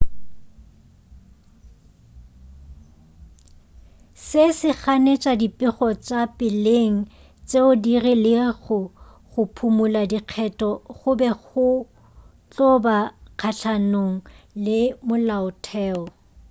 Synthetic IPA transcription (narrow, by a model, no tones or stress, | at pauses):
sɪsɪχanet͡ʃʼadipʼɪχɔt͡ʃʼapʼɪleŋ̩ | t͡sʼeʊdirilɪɣʊχʊpʰumʊladiq͡χʰɛtʼɔχʊbɛɣʊ | t͡ɬʼɔbaq͡χʰaɬʰanoŋ̩lɪmʊlaʊtʰɛːɔ